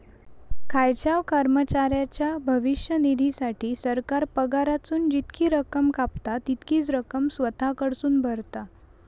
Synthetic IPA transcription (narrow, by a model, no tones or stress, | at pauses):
kʰajt͡ɕaʋkəɾmət͡ɕaɾjat͡ɕjabʱəʋiɕjənid̪ʱisaʈʰiːsəɾkaɾpəɡaɾat͡suːnd͡ʑit̪kʰiːɾəkəmkapt̪at̪it̪kiːt͡sɾəkəmsʋət̪ʰakəɽsuːnbʱəɾt̪a